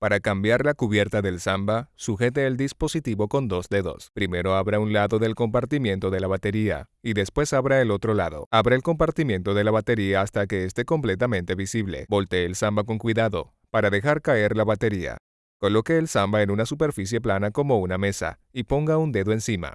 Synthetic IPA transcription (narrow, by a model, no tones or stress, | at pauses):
paɾakambjaɾlakuβje̞ɾt̪aðe̞lsambasuxe̞t̪̬eːld̪ispo̞sit̪iβo̞ko̞nd̪o̞zd̪e̞ðo̞̰spɾime̞ɾo̞aβɾaunlaðo̞ðe̞lko̞mpaɾt̪imje̞nt̪o̞ðe̞laβat̪e̞ɾia̰ | iðe̞spwe̞saβɾaelo̞t̪ɾo̞laðo̞̰aβɾaelko̞mpaɾt̪imje̞nt̪o̞ðe̞laβat̪e̞ɾiaːst̪ake̞ːst̪e̞ko̞mple̞t̪amẽ̞nt̪e̞βisiβle̞̰bo̞lt̪e̞ːlsambak̬o̞ŋkwiðaðo̞ | paɾaðe̞xaɾkae̞ɾlaβat̪e̞ɾia̰ | ko̞lo̞ke̞ːlsambae̞nunasupe̞ɾfis̬je̞planako̞mo̞uname̞sa̰ | ipo̞ŋɡaund̪e̞ðo̞e̞nsima̰